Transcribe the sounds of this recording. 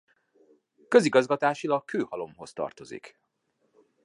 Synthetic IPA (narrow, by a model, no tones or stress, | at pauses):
kø̞ziɡɒzɡɒt̪aːʃilɒkkøːhɒlo̞mɦo̞st̪ɒ̰rt̪o̞zḭk